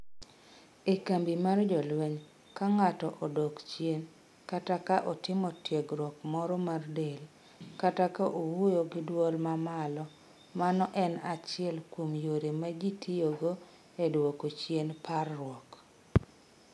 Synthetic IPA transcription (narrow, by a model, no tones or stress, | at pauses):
ekambimard͡ʒɔlweɲ | kaŋatɔʔɔdokt͡ʃjen | katakaʔɔtɪmɔtjeɡɾwɔkmɔɾɔmardel | katakaʔowujoɡɪdwɔlmamalɔ | manɔʔɛnat͡ʃɪɛlkwomjoɾemaɡitʰioɡo | edwokot͡ʃjenparːwɔk